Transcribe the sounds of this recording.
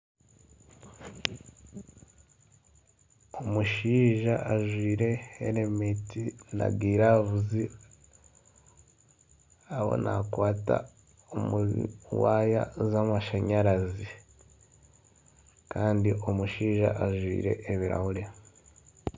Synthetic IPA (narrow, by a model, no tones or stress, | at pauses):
o̞muʃiːʒaʔaʒwiːɾe̞ːɾemetina̰ɡiːɾavuzi | aβo̞̰nakwaːta̰ | omuwaːja̰zamaʃaɲaɾazi | kaːndiʔo̞muʃiːʒa̰ʔaʒwḭːɾe̞̰ʔːβiɾa̰huɾe